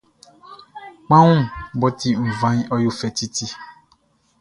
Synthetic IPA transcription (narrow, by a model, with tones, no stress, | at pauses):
k͡pã˦ŋũ˦bɔ˦t̪i˦m̩˨vã˦ɲ˦ɔ˦jo˦fɛ˨t̪i˦t̪i˦